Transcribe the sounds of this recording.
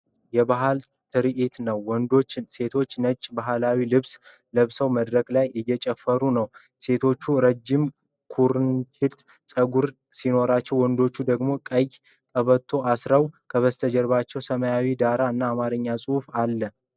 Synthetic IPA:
jɛbaɦal | t̪ʰɨɾiʔit̪nəwːɔnd̪o̞t͡ʃːse̞t̪ʰo̞t͡ʃːnət͡ʃʼːbaɦlawilɨβs | ləβsəwməd̪ɾəkʼlajʔɪjɛt͡ʃʼɛfːəɾunəw | se̞t̪ʰo̞t͡ʃːuɾəd͡ʒːɪm | kʰuɾnt͡ʃʰɪlt̪ | sʼəɡuɾ | sino̞ɾat͡ʃːɛwɔnd̪o̞t͡ʃːud̪əɡmo̞kʼəj | kʼəβət̪ʰːo̞asɾəwkʰəβəst̪ʰəd͡ʒɛɾβat͡ʃːɛwsəməjawid̪aɾaɨnːaːmaɾɨɲːasʼuhfalːə

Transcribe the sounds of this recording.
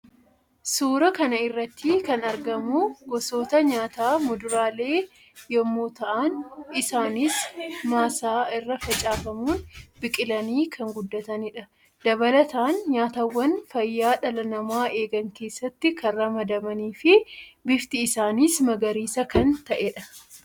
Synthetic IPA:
suːɾɐkɐnɐɪrːɐt̪ːikɐnɐɾɡɐmuɡɔso̞ːt̪ɐɲaːt̪aːmʊd̪ʊɾaːle̞ː | jɔmːoːt̪ɐʔanɪsaːnismaːsaːɪrːɐfɐt͡ʃʼaːfɐmuːnbɪkʼɪlɐniːkʰɐŋɡʊd̪ːɐt̪ɐnɪᶑɐ | d̪̥ɐbɐlɐt̪aːnɲaːt̪ɐwːɐnfɐjːaːᶑɐlɐnɐmaːe̞ːɡɐŋke̞ːsːɐt̪ːɪkɐnrɐmɐd̪ɐmɐniːfɪbɪft̪ɪːsaːnismɐɡɐɾiːsɐkɐnt̪ɐʔɛᶑɐ

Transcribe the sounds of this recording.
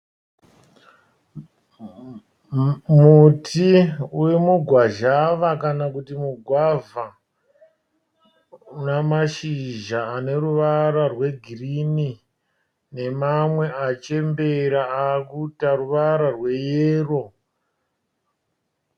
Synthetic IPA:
mutʰiuwemuɡʱwaʒaʋakanakutimuɡʱwava | namaʃiʒaːne̞ruʋaɾarwe̞ɡʱirini | ne̞mamwe̞ʔat͡ʃe̞mbe̞ɾaakutaruʋaɾarwe̞jeːro̞

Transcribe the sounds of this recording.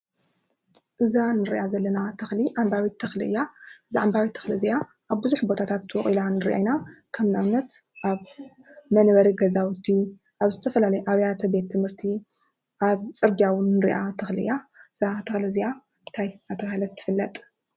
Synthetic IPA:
ʔɨzanɨɾḭʔazɐlːɐnat̪ʰɐxliʔambaβit̪ʰːɐxlɨɨjːaʔɨzaʕambaβit̪ʰːɐ̥xlizija | ʔaβbɨzuħbo̞t̪ʰat̪ʰat̪wɔχʼilanɨɾʔa̰jnakʰɐmnanːɐt̪ | ʔaβ | mɐnβɐɾiɡɐzawt̪ʰi | ʔaβzɨt̪ʰɐfɐlalɐjʔaβjat̪ʰɐbe̞t̪ʰːɨmhɨɾt̪ʰi | ʔaβt͡sʼɨɾɡjawʊnːɨɾḭʔat̪ʰɐxliʔɨ̰jaɨzat̪ʰɐxlɨzija | t̪ʰajat̪ʰɐβahlɐt̪ʰːɨ̥fɨlːɐt̪ʼ

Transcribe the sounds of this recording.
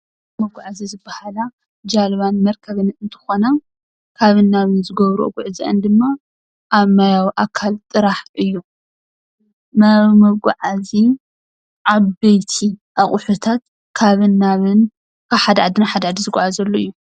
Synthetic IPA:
mɐβɡʷaʕazizɨbːahala | d͡ʒalβanmɐɾkʰɐβɨnɨnt̪ʰɨ̥xona | kʰaβɨnːaβɨnzɨɡɐβɾuo̰ɡuʕɨziʔɐnd̪ɨmːa | ʔaβmajawiʔakʰalt̪ʼɨɾaħʔɨjːu | mɐβmɐβɡuʕazi | ʔaβbejt̪ʰiʔaχʼʊħut̪ʰat̪ | kʰaβɨnːaβɨn | kʰaβħad̪ɐʕad̪ɨnaħad̪ɐaʕad̪izɨɡʷʼaʕazɐlːoɨjːu

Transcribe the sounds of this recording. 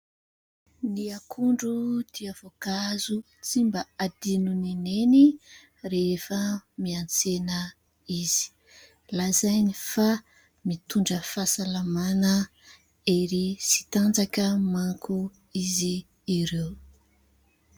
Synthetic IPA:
niakʰuɳɖ͡ʐud̪̥iavokazu | t͡simbəad̪inunineni | ɾefəmiant͡senə | iz̥i̥ | lazajnifa | mit̪uɳɖ͡ʐəfasalamanə | eɾisi̥t̪and͡zakəmaŋkʰu | iziː | ɾew

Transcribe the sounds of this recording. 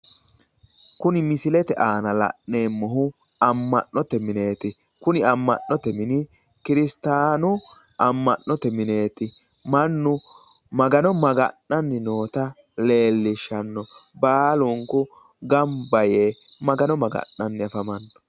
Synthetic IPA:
kʊnɪmɪsɪlɛt̪ɛʔaːnɐlɐ̰ʔneːmːɔɦʊ | ɐmːɐ̰ʔːɔt̪ɛmɪne̞ːt̪ɪ | kʊnɪɐmːɐ̰nːɔt̪ɛmɪnɪ | kɪɾɪst̪aːnʊ | ʔɐmːɐnːɔt̪ɛmɪne̞ːt̪ɪ | mɐnːʊ | mɐɡɐnɔmɐɡɐ̰nːɐnːɪnoːt̪ɐ | le̞ːlːɪʃɐnːɔbaːlʊŋkʊ | ɡɐmbɐjeːmɐɡɐnɔmɐɡɐ̰nːɐnːɪɐfɐmɐnːɔ̥

